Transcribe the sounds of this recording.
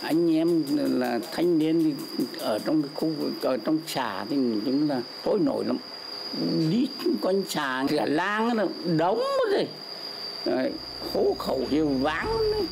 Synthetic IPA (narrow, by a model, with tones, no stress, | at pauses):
ʔa˧jŋ̟ʔɛ˧m˨laː˨˩t̪ʰa˧jŋ̟ɗi˧ənt̪i˨˩ʔəː˧˩t͡ɕɔ˧wŋ͡mkːjxu˧vɨ̰˨˩kʔəː˧˩t͡ɕɔ˧wŋ͡mt͡ɕaː˨˩t̪ʰi˨˩˨t͡ɕʊ˨˦ŋ͡mlaː˨˩t̪ʰo˧˦jno̰˧˩˨jla̰˧˩m | ɗi˦˥t̚kɔ˧nt͡ɕaː˨˩ɨ˨a˨˩laː˧ŋa˨˦nə˧˩ɗə˨˦wŋ͡mə˧˦zo˧˨˩j | a˨˩ | xo˧˨˦xə˧˩wɦi˨˩əwvaː˨˦ŋ˧˦